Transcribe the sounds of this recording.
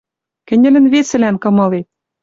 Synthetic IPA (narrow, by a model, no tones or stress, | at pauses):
kɘ̆nʲɘ̆lɘ̆nβesɘ̆lænkɤ̆mɤ̆le